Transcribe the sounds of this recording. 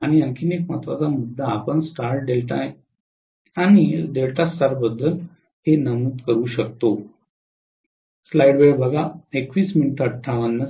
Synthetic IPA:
aɽ̃iəŋkʰinekmat̪ʋat͡samud̪ʱːaːpəɳsʈaɾʈ̚d̪elt̪aj | añiɖeɭʈast̪aɾbəd̪ʱːəl | henəmuːt̪kəɾuːɕək̚t̪o | slajɽʋejbəɡaekʋiːsminiʈəʈʈʰaʋənːə

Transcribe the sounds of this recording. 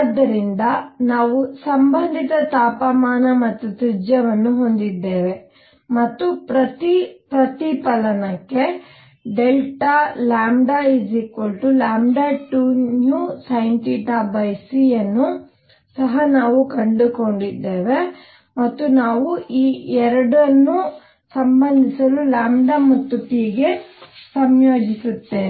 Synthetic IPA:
d̪ːɐɾind̪ɐnaːʋusɐmbɐnd̪ʱit̪ɐt̪aːpɐmaːnɐmɐt̪ːut̪ɾid͡ʒjɐʋɐnːuɦo̞nd̪id̪ːeːʋe̞ | mɐt̪ːupɾɐt̪ipɾɐt̪ipɐlɐnɐkːe̞ | ɖelʈalaːmɖaid͡ʒikʋolʈulaːmɖaːʈunjuːsɐjɳʈiʈaːbɐjsijɐnːu | sɐɦɐnaːʋukɐɳɖuko̞ɳɖid̪ːeːʋe̞ | mɐt̪ːunaːʋuʔiːɛɾɐɽɐnːu | sɐmbɐnd̪isɐlulaːmɖamut̪ːupiɡe̞sɐmjoːd͡ʒisut̪ːeː

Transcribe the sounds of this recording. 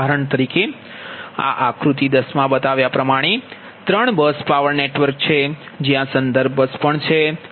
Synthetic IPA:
aɾəɳt̪əɾike | a̰ʔakɾut̪id̪əsmãbət̪aʋjapɾəmaɽ̃e | t̪ɾəɳbəspaʋəɾneʈʋəɾk̚t͡ʃʰed͡ʒjãsənd̪əɾb̚ʱbəspəɳt͡ʃʰe

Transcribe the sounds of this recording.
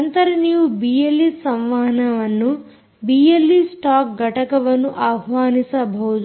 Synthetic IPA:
ɐnt̪ɐɾɐnijubijelːisɐmʋaːɦɐnɐʋɐnːu | bijelːisʈaːk̚ɡʱɐʈɐkɐʋɐnuʔaːɦʋaːnisɐbʱɐwd͡ʒ

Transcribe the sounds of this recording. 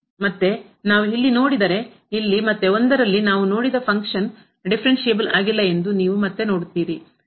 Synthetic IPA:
mɐt̪ːe̞ | naːʋuilːino̞ːɽid̪ɐɾe̞ | ilːimɐt̪ːeond̪ɐɾɐlːinaːʋuno̞ːɽid̪ɐpʰɐŋkʂɐn | ɖipʰɐɾe̞ɳʃeːbɐlaːɡilːɐe̞nd̪uniːʋumɐt̪ːe̞no̞ːɽt̪ːiːɾi

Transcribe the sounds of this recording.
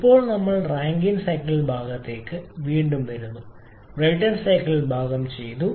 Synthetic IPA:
ipːo̞ːɭnɐmːɐɭraːŋɡinsɐjkːɐlilbʱaːɡɐt̪ːe̞ːkːɨʋiːɳɖumt̪ɐɾunːu | rɐjʈːɐnsɐjkːɐɭilbʱaːɡɐmt͡ɕe̞jt̪u

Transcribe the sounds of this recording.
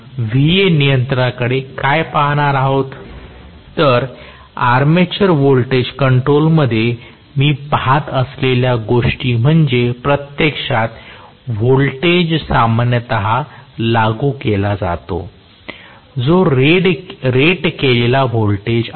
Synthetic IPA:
ʋienijənt̪ɾəɾakəɽekajpaɦɽ̃aɾaɦot̪ː | əɾ | aɾmet͡ɕəɾʋolʈed͡ʑkəɳʈɾolməd̪ʱːje | miːpɦat̪əsleljaɡoʂʈiːm̤əɳd͡ʑepɾət̪jəkʂat̪ | ʋolʈed͡ʑsamanjət̪əɦalaɡukelad͡za̰t̪o̰ | d͡zoɾeɖɾeʈkelelaʋolʈed͡ʑ

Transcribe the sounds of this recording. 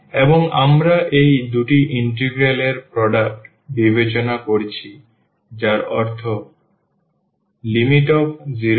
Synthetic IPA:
eboŋa̰mɾaʔejd̪uʈiʔiɳʈ̬eɡɾeleɾpɾɔɖak̚ʈ | bibet͡ɕonakoɾt͡ɕʰi | d͡ʑaɾɔɾt̪ʰo | limiʈobziɾo

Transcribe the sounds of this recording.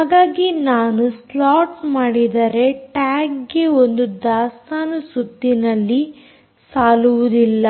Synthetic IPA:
ɦaːɡaːɡinaːnuslaːʈsmaːɽid̪ɐɾe̞ʈaːkɡeond̪ud̪aːst̪aːnɐsud̪ːinɐlːi | saːluʋud̪ilːɐ

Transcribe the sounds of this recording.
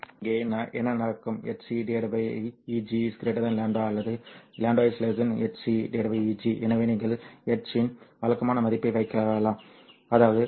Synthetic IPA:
ɪŋɡeːnaʔɛnːɐnɐkːɯmɛʈsiɖeɾɐbɐiːd͡ʒiskɪɾeːʈːɐt̪ãːnlaːɳɖʋaːɐlːɐðɯlaːɳɖʋaːɪslezɐnɛʈsiɖeɽɐbɐiːd͡ʒiʔɛnɐʋeːniːŋɡɐɭɛʈt͡ʃɪnʋɐlɐkːɐmaːnɐmɐðɪpːɐɪʋɐɪkːɐɐlaːm | ɐðaːʋɐðɯ

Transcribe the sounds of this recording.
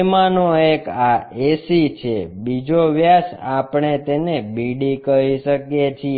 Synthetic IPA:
manoekaesit͡ʃʰebid͡ʒoʋjasapɳet̪enebiɖikəɦiʃəkjet͡ʃʰi

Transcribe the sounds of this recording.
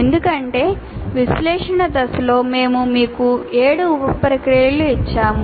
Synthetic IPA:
end̪ukɐɳʈe̞ː | ʋislɛːʂɐɳɐd̪ɐslo̞ːme̞ːmumiːkue̞ːɽuːpɐpɾɐkɾijɐluit͡ʃːaːm

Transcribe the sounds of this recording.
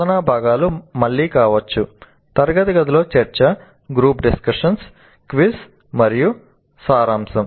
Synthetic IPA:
ɐnaːbʱaːɡaːlumɐɭːiːkaːʋɐt͡ʃːu | t̪ɐɾɡɐt̪iɡɐt̪ilo̞ːt͡ʃeɾt͡ʃɐ | ɡɾuːpɖiskɐʂɐns | kʋis | mɐɾiju | saːɾaːmsɐm

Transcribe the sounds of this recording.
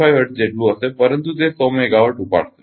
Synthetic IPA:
ajɦəʈd͡ʑeʈluəsepəɾənt̪ut̪esəmeɡaʋəʈupa̰ɽt̪e̥

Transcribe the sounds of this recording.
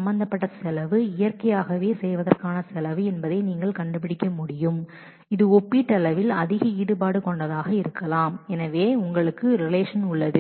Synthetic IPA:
ɐmbɐnd̪ɐpːɐʈːɐsɛlɐʋɯɪjɐrkɐjaːɣɐʋeːsɛjʋɐðɐrkaːnɐsɛlɐʋɯɛnbɐðɐɪniːŋɡɐɭkɐɳɖɯp̬ːɪɽɪkʲːɐmʊɽɪjɯm | ɪðɯɔpːiʈːɐlɐʋɪlɐðɪɣɐiːɽɯpaːɽɯkɔɳɖɐðaːɣɐɪɾɯkːɐlaːmɛnɐʋeːʊŋɡɐɭɯkːɯɾɪleːʂɐnʊɭːɐðɯ

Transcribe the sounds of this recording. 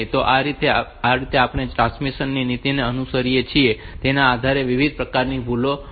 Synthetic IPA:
t̪oʔaɾit̪eaɾit̪eapɳ̃eʈɾãsmisənːinit̪ineənusəɾijet͡ʃʰie | t̪enaːd̪ʱaɾeʋiʋid̪̚pɾəkaɾnibʱulo

